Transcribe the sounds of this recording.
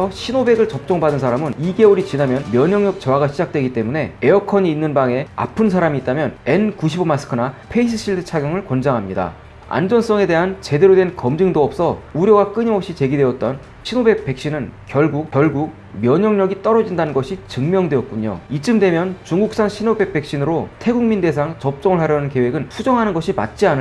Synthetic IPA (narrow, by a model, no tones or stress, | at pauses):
ʌɕʰinobe̞ɡɯɭt͡ɕʌp̚t͡ɕ͈ʌŋbadɯns̬ʰaɾamɯniɡe̞oɾit͡ɕinamjʌnmjʌɲʌŋɲʌk̚t͡ɕʌwaɡaɕʰid͡ʑak̚t͈we̞ɡit͈e̞mune̞eʌkʰʌɲiːnːɯnbaŋe̞a̰pʰɯns̬ʰaɾamiːt͈amjʌne̞nkuɕ̬ʰibomas͈ʰɯ̥kʰɯnapʰe̞isʰɯ̥ɕ͈iɭdɯt͡ɕʰaɡjʌŋɯɭkwʌnd͡ʑaŋɦamɲida̰ | a̰nd͡ʑʌns͈ʌŋe̞de̞ɦant͡ɕe̞de̞ɾodwe̞nkʌmd͡ʑɯŋdoʌp̚s͈ʌuɾjʌɡak͈ɯɲimʌp̚ɕ͈it͡ɕe̞ɡidwe̞ʌt̚t͈ʌn | ɕʰinobe̞k̚p͈e̞k̚ɕ͈inɯnkjʌɭɡuk̚kjʌɭɡuk̚ | mjʌɲʌŋɲʌɡit͈ʌɾʌd͡ʑindanɯnɡʌɕʰit͡ɕɯŋmjʌŋdwe̞ʌt̚k͈uɲo̰it͡ɕ͈ɯmdwe̞mjʌnt͡ɕuŋɡuk̚s͈aŋɕʰinobe̞k̚p͈e̞k̚ɕ͈inɯɾotʰe̞ɡuŋminde̞sʰaŋt͡ɕʌp̚t͡ɕ͈ʌŋɯɭɦaɾjʌnɯnke̞we̞ɡɯnpʰud͡ʑʌŋɦanɯnɡʌɕʰima̰t̚t͡ɕ͈ianɯ